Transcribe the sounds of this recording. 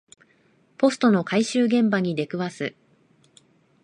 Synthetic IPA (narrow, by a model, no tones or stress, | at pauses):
po̞sɨ̥t̪o̞no̞kaiɕɨːɡẽ̞mbaɲ̟id̪e̞kɯ̟βasɨ